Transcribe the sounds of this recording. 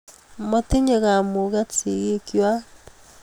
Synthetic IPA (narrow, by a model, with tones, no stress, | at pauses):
mo˦te˦ɲe˨ɣa˨mo˨ɣa˦t͡se˨ɣe˦kjwa˦